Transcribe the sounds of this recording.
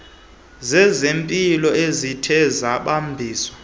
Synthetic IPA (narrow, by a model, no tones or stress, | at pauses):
zɛzempʼilɔezitʰɛzaɓambʱiːswḁ